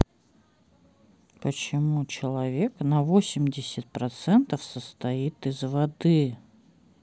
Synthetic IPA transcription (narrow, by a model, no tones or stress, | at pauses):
pət͡ɕɪmut͡ɕɪlˠɐvʲe̞knɐvosʲɪmʲdʲɪsʲɪt̪̚pɾɐt̪sɛnt̪əfsəst̪ɐit̪ɪzvɐd̪ɨ